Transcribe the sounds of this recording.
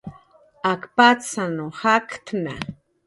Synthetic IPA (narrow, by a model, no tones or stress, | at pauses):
akpat͡sanuhakt̪na